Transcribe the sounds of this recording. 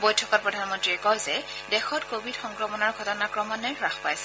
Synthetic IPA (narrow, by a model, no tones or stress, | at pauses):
bɔjtʰɔkɔt̚pɹɔdʱanmɔntɹiɛkɔjzɛdɛxɔtkobʱidxɔŋkɹɔmɔnɔɹɡʱɔtɔnakɹɔmɔnɛɹɹaxpajsɛ̥